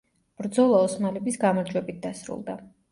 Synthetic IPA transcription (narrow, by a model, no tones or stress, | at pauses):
b̥ɾd̪zɔlˠaɔsmalɛbisɡamaɾd͡ʒwɛbit̪̚d̪asɾṵlˠd̪a